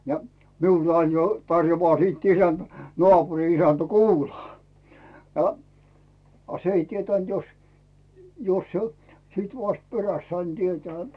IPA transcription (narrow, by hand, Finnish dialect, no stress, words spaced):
jɑ miulː ɑin jo tɑrjoʋɑː siːt isænt nŏɑːpuri isæntæ̥ kuːlɑː no ɑ s ei tietæˑnt jos jos se siˑt ʋɑst peræst sɑin tietĕæˑ